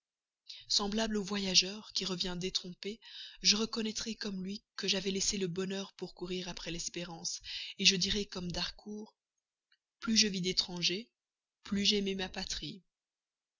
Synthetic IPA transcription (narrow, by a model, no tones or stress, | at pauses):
sɑ̃blablovwajaʒœʁkʲiʁəvjɛ̃d̪et̪χɔ̃peʒəʁəkɔnɛt̪χɛkɔmlɥikəʒavɛlɛseləbɔnœʁpuʁkuʁiʁapχɛlɛspeʁɑ̃seʒəd̪iʁɛkɔmd̪aʁkʰuːʁ | plyʒəvid̪et̪χɑ̃ʒe | plyʒɛmɛmapat̪χi